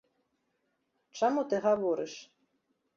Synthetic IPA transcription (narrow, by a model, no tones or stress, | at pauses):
t͡ʂamut̪ɨɣavɔɾɨʂ